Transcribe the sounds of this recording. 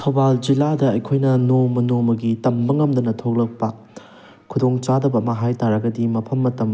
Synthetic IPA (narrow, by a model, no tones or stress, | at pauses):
tʰɐwbald͡ʒiladɐɐjkʰojnɐnomɐnomɐɡitɐmbɐŋɐmdɐnɐtʰok̚lɐk̚pɐ | kʰudoŋt͡ʃadɐbɐmɐɦajtaɾɐɡɐdimɐpʰɐmːɐtɐm